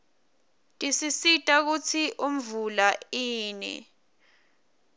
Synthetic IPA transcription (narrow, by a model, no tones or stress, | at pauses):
tʼisisitʼak̬ut͡sʰiʔum̩vulaiːnɛ̰